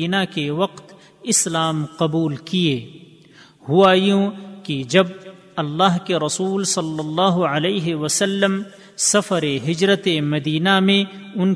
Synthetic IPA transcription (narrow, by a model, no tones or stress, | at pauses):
iːnakeʋɐqt̪ | ɪslaːmqɐbuːlkieː | hʊaːjũkid͡ʒɐb̚ | ɐlːaːɦkeɾɐsuːlsɐlːɐlːaːɦʊəleːɦewəsəlːəm | sɐfəɾeɦɪd͡ʒɾət̪emɐd̪iːnamẽ | ʊn